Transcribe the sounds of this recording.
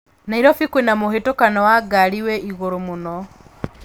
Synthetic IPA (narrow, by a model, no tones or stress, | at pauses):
naiɾɔfikwenamoɦetokanɔwaɡaɾiwɛʔiɣoɾomonɔ